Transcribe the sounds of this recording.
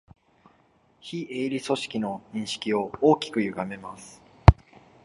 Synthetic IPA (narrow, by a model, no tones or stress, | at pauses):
çiʔeːɾʲiso̞ɕi̥kʲino̞ɲ̟ĩɰ̃ɕi̥kʲio̞oːkʲi̥kɯ̟jɯ̟ɡame̞masɨ̥